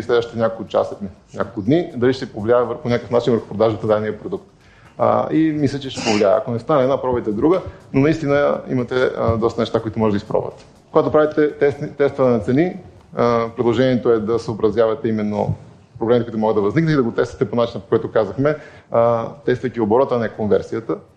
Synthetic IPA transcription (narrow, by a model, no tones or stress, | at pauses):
islɛd̪vəʃit̪ɛnʲakolˠkʊt͡ʃa̰sət̪ni | nʲakolˠkʊd̪nid̪ɐliʃt̪ɛpovliaɛvəɾponʲakəfnat͡ʃinvəɾxʊ̥pɾod̪aʒbɐt̪nd̪aniəpɾod̪ukt̪ | imislʲɛt͡ʃɛʃt̪ɛpovlʲiaɛ̰ɐ̰konɛst̪anɛd̪napɾɔbɛt̪ɛd̪ɾuɡənonɐist̪inəḭmɐt̪ɛd̪ɔst̪ɐnɛʃt̪akoit̪ʊmɔʒɛd̪ispɾɔ̰və̰t̪ | koɡat̪opɾavit̪ɛt̪ɛt̪ɛst̪vənnɐt̪sɛni | pɾɛd̪lˠoʒɛniɛt̪oɛd̪ɐsəobɾɐzjavɐt̪ɛimɛnːo̰ | pɾoblɛmit̪ɛkouit̪mɔɡəd̪d̪ɐvɐzniknt̪id̪ɐɡot̪ɛst̪vɐ̥t̪ɛponat͡ʃinəpo̥koɛt̪ʊkazəxmɛ | t̪ɛst̪vəjkʲioboɾɔt̪əɐnɛkonvɛɾsiət̪ə